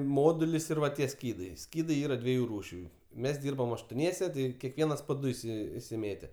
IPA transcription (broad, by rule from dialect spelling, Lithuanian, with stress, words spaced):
ˈmoːdʊlʲɪs ɪr ˈʋɐ tʲiɛ ˈsʲkʲiːdɐɪ ˈsʲkʲiːdɐɪ ˈiːrɐ ˈdʲʋʲiɛjʊ ˈruːʃʲʊ mʲɛs ˈdʲiːrbɐm ɐʃtoːˈnʲiɛsʲɛ ˈtʲɪ kʲɛˈkʋʲiɛnɐs poː ˈdʊ ɪˈsʲɪ ɪsʲɪˈmʲeːtʲɛ